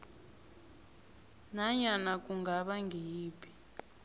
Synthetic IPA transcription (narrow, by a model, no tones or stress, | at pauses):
naɲanakuŋɡʱaɓaŋɡʱiːpʰi̥